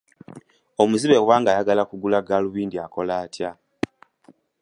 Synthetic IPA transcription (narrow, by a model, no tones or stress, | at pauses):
o̞muziβe̞waːŋɡajaɡalakuɡulaɡaluβiːndiako̞laːtja